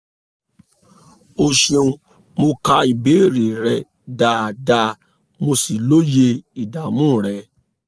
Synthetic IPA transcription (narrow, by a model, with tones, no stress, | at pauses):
o˧ʃẽ˧ũ˧ | mo˧ka˧i˨be˨˦˨ɾi˨ɾɛ˧ | da˨da˧ | mo˧si˨lo˦je˧i˨da˨mũ˦˨ɾɛ˨˦